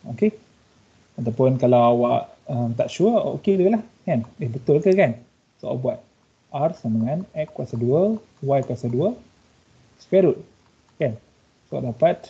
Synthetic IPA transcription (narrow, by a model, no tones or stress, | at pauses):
oke | at̪awpʊnkalawawaʔ | əmt̪aʔʃuəo̰keləklahkanebət̪ʊlkəkan | soa̰buat̪̚ | ʔarsamaŋanɛʔkːuwasaduə | wajkuasaduə | skɛɾut̪̚ | kan | so̰dapat̪̚